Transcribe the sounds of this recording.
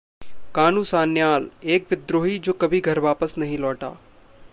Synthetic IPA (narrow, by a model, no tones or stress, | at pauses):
kaːnũːsaːnjaːleːkʋɪd̪ɾoːɦid͡ʒoːkɐbʱiɡʱɐɾʋaːpəsnɐɦĩlɔːʈa̰ː